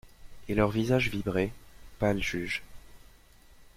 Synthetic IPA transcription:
elœʁvizaʒvibʁepalʒyːʒ

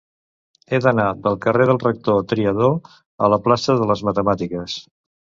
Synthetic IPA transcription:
ed̪ənapəlˠkəreð̞əlˠrək̚t̪ot̪ɾiəðo | ə̰ləplasəðələzmət̪əmat̪ikəs

